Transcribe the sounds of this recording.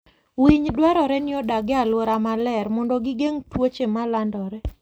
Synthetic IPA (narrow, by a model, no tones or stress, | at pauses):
wiɲdwaɾɔɾɛnɪɔdaɡɛalwoɾamalɛɾmɔndɔɡɪɡeŋtwot͡ʃemalandɔɾɛ